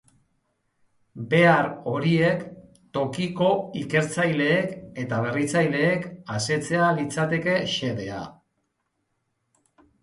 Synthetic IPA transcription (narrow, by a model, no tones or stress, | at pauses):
be̞aɾo̞ɾie̞k | t̪o̞kiko̞ike̞ɾt͡sajle̞ːke̞t̪aβ̞e̞rit͡sajle̞ːkase̞t͡se̞alit͡sat̪e̞ke̞ʃe̞ðe̞a̰